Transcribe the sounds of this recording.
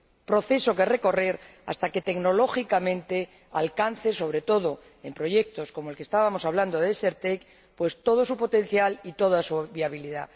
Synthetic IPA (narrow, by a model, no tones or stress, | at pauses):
pɾo̞θe̞so̞ke̞re̞ko̞reɾa̰st̪ake̞t̪e̞kno̞lo̞xikamẽ̞nt̪e̞ | a̰lkan̟θe̞so̞β̞ɾe̞t̪o̞ð̞o̞ | e̞mpɾo̞ʝe̞k̚t̪o̞sko̞molkest̪aβamo̞saβland̪oðeseɾt̪ek | pwe̞st̪o̞ð̞o̞supo̞t̪ẽ̞n̟θjalit̪o̞ðasuβiaβ̞iliða